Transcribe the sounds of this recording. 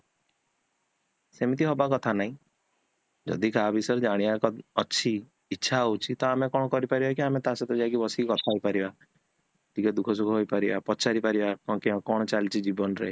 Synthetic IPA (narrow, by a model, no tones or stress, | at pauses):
semit̪̬iɦɔbakɔt̪ʰanaɦĩ | d͡ʒɔ̰d̪ikabisɔɾd͡ʒaɽ̃iakɔɔːʃʰiː | tːʃʰaut͡ʃʰit̪ɔamekɔɽ̃ɔkɔɾipaɾibak̬iamet̪aset̪ɔd͡ʒak̬ibɔsikɔt̪ʰajpaɾiba | d̪ikɔd̪ukʰɔsukʰɔɦojpaɾibapɔt͡ʃaɾipaɾibakɔ̃keɔ̃kɔɽ̃ɔt͡ʃalt͡ʃʰid͡ʒibɔnɾee